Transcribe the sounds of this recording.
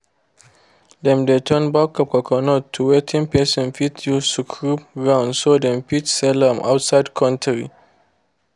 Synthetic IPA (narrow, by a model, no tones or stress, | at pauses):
dɛmdetʰɔnbakːɔkɔkɔnɔtʰːuwetʰɪ̃mpesɪ̃nfitjutukʰɹup̚ɡãw̃ndsodɛ̃mfitsɛlamʔa̰ʊtsaɪdkʰɔ̃ntʰɹḭ